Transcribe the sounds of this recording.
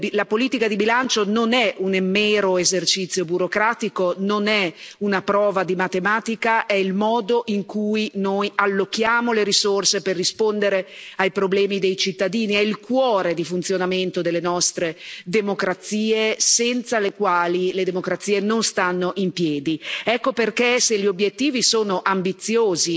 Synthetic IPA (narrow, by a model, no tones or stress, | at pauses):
lapoliːt̪ikad̪ibilant͡ʃononɛʔunemɛːɾoezert͡ʃit̪sːjobuɾokɾaːt̪ikononɛunapɾɔːvad̪imat̪emaːt̪ikaʔɛilmɔːd̪oʔiŋkujnojalːokːjaːmoleɾisorseperːispond̪eɾeajpɾoblɛːmid̪ejt͡ʃit̪ːad̪iːniɛilkwɔːɾed̪ifunt̪sjonament̪od̪elːenɔst̪ɾed̪emokɾat̪siːesɛnt̪salekwaːliled̪emokɾat̪siːenonst̪anːoʔimpjɛːd̪iɛkːoperkeseʎːiobjet̪ːiːvisoːnoʔambit̪sːjoːzi